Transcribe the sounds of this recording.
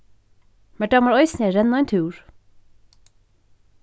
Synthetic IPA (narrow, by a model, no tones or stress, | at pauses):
mæɖɑmɑɹɔʏsneːɾɛnɑɛnt̪ʰʉːɹ